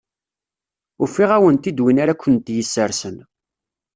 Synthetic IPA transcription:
ʊfːiʁæwənt̪id̪winaɾakʷːənt̪jəsːəɾsən

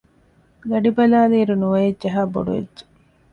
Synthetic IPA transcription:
ɡ̪ɐɖibɐlaːliːɾunuʋɐjedd͡ʒɐɦaːbo̰ɖuʋḛdd͡ʒe̥

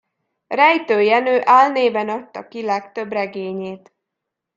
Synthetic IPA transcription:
rɛjt̪øːjɛnøːʔaːlneːbɛnɒt̪ːɒkilɛkt̪ø̞brɛɡeːɲeːt̪

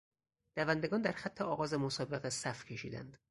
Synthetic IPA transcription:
d̪̥ævænd̪e̞ɡɒːnd̪æɾxæt̪ʰːeɒːɣɒːzemosɒːbe̞ɣesæfcʲʰe̞ʃḭːd̪æ̰nd̪̥

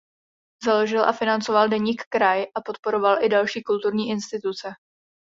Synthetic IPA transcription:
zalo̞ʒɪlʔa̰fɪnant͡sovaldɛɲiːkːɾajʔapo̞t̪̚po̞ɾo̞valʔɪdalʃiːkult̪uɾɲiːʔɪnst̪ɪt̪ut͡sɛ

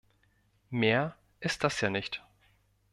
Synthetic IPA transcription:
meːɐ | ʔɪst̚d̥asjaːnɪçt

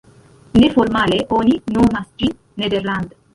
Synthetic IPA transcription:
neformaːleʔoninomast̪ɾi | ned̪erland̪

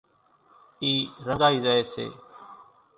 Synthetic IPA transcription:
iːɾəɡaːiːzaːeːsḛː

